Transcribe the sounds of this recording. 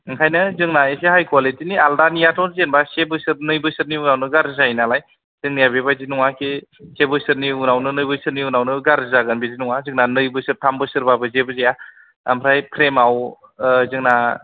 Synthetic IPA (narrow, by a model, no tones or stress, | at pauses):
ŋkʰajnɯzɯŋnaesehajkwalitinialdanijatʰɔwnzenbasebɯsɯɾnɯjbɯjsɯɾniunawnɯɡaɾzainalaj | z̥ɯŋnijabebajzinuŋakʰesebɯsɯɾniunawnɯnɯjbɯjsɯɾniunawnɯɡaɾzaɡɯnbezinuŋazɯŋnanɯjbɯsɯɾtʰambɯsɯɾbabɯzebɯzija | a̰mʰɾajpʰɾemaw | zɯŋna